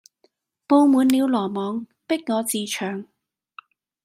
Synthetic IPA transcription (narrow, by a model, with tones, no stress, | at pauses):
po˧wmuː˨˧nliː˨˧wlɔː˨˩mɔː˨˧ŋ | pɪ˥k̚ŋɔː˨˧t͡siː˧t͡ʃʰœː˨˩ŋ